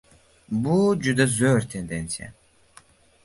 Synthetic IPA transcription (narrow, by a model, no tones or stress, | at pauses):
bud͡ʒud̪azøːɾt̪ʰend̪ɛnsija̰